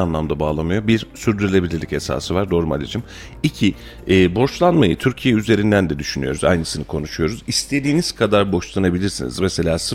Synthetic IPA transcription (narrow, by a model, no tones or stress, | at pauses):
anlˠamd̪abaːlˠamɯjo̞biɾsyɾd̪yɾylʲe̞bilʲiɾlʲice̞sa̰ːsɯvaɾd̪oɾuma̰lʲid͡ʒɯm | icʰi | ɛːbo̞ʃlˠanmajɯt̪ʰyɾcʰijɛyze̞ɾind̪ænd̪ɛd̪yʃynyjo̞ɾuza̰jnɯsinɯkʰo̞nuʃujo̞ɾuzist̪ʰe̞d̪iːniz̥kʰad̪aɾbo̞ʃlˠanabilʲiɾsinḭzmese̞lʲaːsɯ